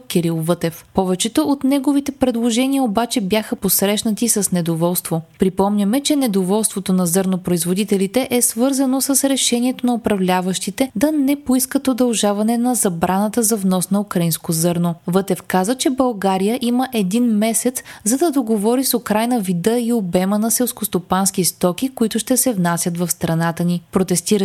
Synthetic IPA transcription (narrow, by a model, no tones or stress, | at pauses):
kʲɛɾilˠvɤt̪ɛfpɔvɛt͡ʃɛt̪oot̪nɛɡovit̪ɛpɾɛd̪lˠoʒɛniəobat͡ʃɛbjaxəposɾɛʃnɐt̪isɐsnɛd̪ovɔlˠst̪vopɾipɔmnʲəmɛt͡ʃɛnɛd̪ovɔlˠst̪vot̪onɐzɤɾnopɾoizvod̪it̪ɛlit̪ɛʔɛsvɤɾzɐnosəsɾɛʃɛniɛt̪onɐopɾɐvlʲavəʃt̪it̪ɛd̪ɐnɛpoiskəp̪ɾod̪ɐlˠʒavɐnɛnɐzɐbɾanət̪əzɐvnɔsnɐukɾɐinskozɤɾnovɤt̪ɛfkazət͡ʃɛbɐlˠɡaɾijəʔiməʔɛd̪inmɛsɛt̪szɐd̪ɐd̪oɡovɔɾisokɾajnəvid̪əiobɛmənɐsɛlˠskost̪opanskist̪ɔk̟ikoit̪ʊʃt̪ɛsɛvnasʲjət̪vɐfst̪ɾɐnat̪ənipɾot̪ɛst̪iɾə